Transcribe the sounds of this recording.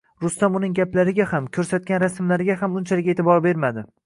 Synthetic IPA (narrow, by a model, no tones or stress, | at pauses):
ɾʊst̪amʊnɪŋɡʲaplaɾɪɡʲahamkʲʰɵɾsat̪̚kʲanɾasmlaɾɪɡʲaɦamʊnt͡ʃʰalɪkʲet̪ʰɪbɒɾbe̞ɾmad̪ɪ